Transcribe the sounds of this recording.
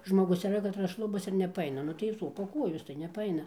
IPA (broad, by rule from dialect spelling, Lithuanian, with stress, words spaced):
ʒmoːˈɡʊs iːˈrɐ kɐtˈrɐs ˈʃlˠʊbɐs ɪr nʲɛpɐˈɐɪnɐ ˈnʊ tɐɪ ˈsoːpɐ ˈkuɔjoːs tɐɪ nʲɛpɐˈɐɪnɐ